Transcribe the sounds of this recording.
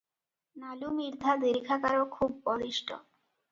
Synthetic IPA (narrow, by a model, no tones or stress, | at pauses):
nalumiɾd̪ʱad̪iɾikʰakaɾokʰubːɔd̪iʃʈʰo̰